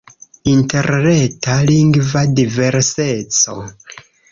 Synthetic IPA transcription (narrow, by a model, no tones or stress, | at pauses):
inte̞ɾnetaliŋɡvadive̞ɾse̞t͡so̞